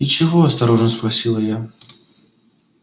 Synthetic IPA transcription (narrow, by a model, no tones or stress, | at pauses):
ɪt͡ɕɪvoɐst̪ɐɾo̞ʐnəspɾɐsʲilˠəja